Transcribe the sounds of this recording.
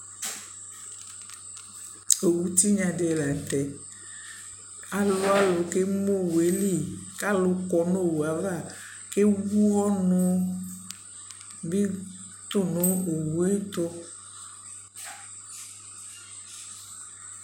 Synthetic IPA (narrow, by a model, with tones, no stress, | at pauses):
e˨wu˦t̪i˦ɲã˨ɖe˨la˨t̪ɛ˨ | a˨lo˦a˦lo˨ke˦mo˦˨we˨li˦ka˦lo˨kɔ˨no˦˨wu˨a˨va˦˨ke˦wu˦ɣɔ˦nõ˦ | bi˦ | t̪o˦nõ˨˦o˨wu˦e˦t̪o˦